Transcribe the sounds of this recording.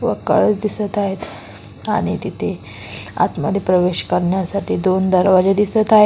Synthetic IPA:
ʋə̰kəɭət͡sd̪isət̪aɦet̪ | a̰ɽ̃it̪it̪ʰe | a̰t̪mad̪ʱepɾəʋeɕkəɾɳjasaʈʰiːd̪ond̪əɾʋad͡ʑed̪isət̪aɦe

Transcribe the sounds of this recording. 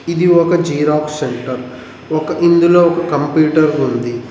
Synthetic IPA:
id̪iɔkɐd͡ʒiːɾaːkseɳʈɐɾ | ɔkɐʔind̪uloːɔkɐkɐmpjuːʈɐɾund̪i

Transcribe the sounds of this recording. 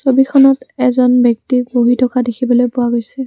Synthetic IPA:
sobikʰɔnɔtɛzɔnbɔk̚tiboɦitʰɔkadekʰibɔlojpʊwaɡojsɛ

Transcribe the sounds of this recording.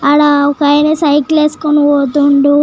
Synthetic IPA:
ɐɽaɔkaːjnesɐjkleːskonuoːt̪uɳɖu

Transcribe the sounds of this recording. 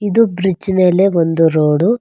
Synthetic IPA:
id̪ubɾid͡ʒme̞ːle̞ond̪uɾoːɽu

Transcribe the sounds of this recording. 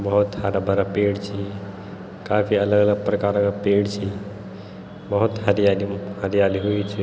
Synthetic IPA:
bɐɦut̪haɾabʱəɾapeːɽt͡ʃʰi | kaːfiɐləɡələɡ̚pɾɐkaːɾkapeːɽt͡ʃʰi | bəɦʊt̪hɐɾijalihəɾijaliɦuit͡ʃʰi

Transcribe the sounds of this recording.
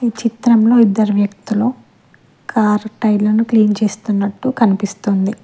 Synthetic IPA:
it͡ʃit̪ɾɐmlo̞ːid̪ːɐɾuʋjɐk̚t̪uloː | kʰaːɾʈɐjɖlɐnukliːnt͡ʃe̞ːst̪unːɐʈːukɐnipist̪ond̪i

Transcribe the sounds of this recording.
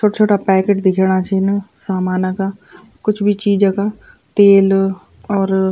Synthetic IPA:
t͡ʃʰoːʈat͡ʃʰoːʈapɛːkeʈd̪ɪkʰeːɽat͡ʃʰinsaːmaːnəka | kʊt͡ʃʰbʱit͡ʃiːd͡ʒãka | t̪eːl | ɔːɾ

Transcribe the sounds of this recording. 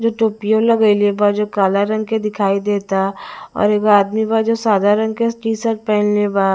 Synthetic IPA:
d͡ʒoːʈoːpijolɐɡəilebad͡ʒoːkaːlaɾɐ̃ŋɡked̪ɪkʰaːid̪eːt̪aɔ̰ːɾeːkaːd̪mibad͡ʒoːsaːd̪aɾɐ̃ŋɡkesʈiːsəʈ̚pɛ̃ːnlebaː

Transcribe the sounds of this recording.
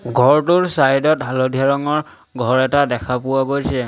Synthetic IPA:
ɡʱɔɹtʊɹsajdɔtɦalodʱiaɹɔŋɔɹ | ɡʱɔɹɛtadɛkʰapʊwaɡojsɛ

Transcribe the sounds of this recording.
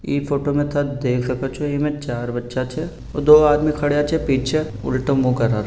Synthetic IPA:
iːfoːʈomẽt̪ʰad̪eːkʰsɐkot͡ʃʰoiːmẽt͡ʃaːɾbɐtːʃat͡ʃʰɛ | od̪oːaːd̪mikʰɐɽjat͡ʃʰɛpiːt͡ʃʰe | ʊ̰lʈəmmũkɐɾaːɾ

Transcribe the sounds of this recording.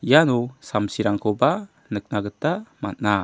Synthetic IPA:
janɔsamsiɾaŋkʰoba | nək̚naɡətːamat̚na

